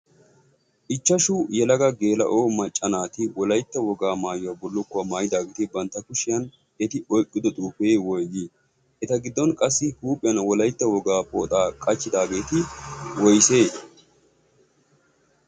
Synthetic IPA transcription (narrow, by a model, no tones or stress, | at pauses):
ʔɪt͡ʃːɐʃʊjɛlɐɡɐɡe̞ːlɐ̰ʔoːmɐt͡ʃʼːɐnaːt̪ɪwɔlɐjt̪ːɐwɔɡaːmaːjʊabɔlːʊkːɔɐmaːjɪd̪aːɡeːt̪ɪbɐnt̪ːɐkʊʃɪjɐn | ɛt̪ɪɔjkʼːɪd̪ɔt̪ʼuːfeːwɔjɡi | ʔɛt̪ɐɡɪd̪ːɔnkʼɐsːɪhuːpʼɪjɐnwɔlɐjt̪ːɐwɔɡaːpʼoːt̪ʼaːkʼɐt͡ʃːɪd̪aːɡe̞ːt̪ɪwɔjseː